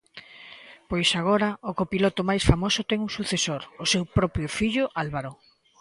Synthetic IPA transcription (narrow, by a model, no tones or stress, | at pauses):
pojsaɣ̞oɾɐʊkopilɔt̪ʊmajsfamosʊt̪ɛŋuŋsuθesoɾʊsewpɾɔpɾjʊfiʎʊʔalβaɾo